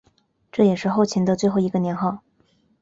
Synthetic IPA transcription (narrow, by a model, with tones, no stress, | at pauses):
ʈ͡ʂɤ˥˩jɛ˨˩ʂɻ̩˥˧xo˥˧ʊt͡ɕʰi˧˥nd̪ə˧t͡swe˥˧ɪxo˥˩ʊi˧˥ɡə˧njɛ˧˥nxɑ˥˩ʊ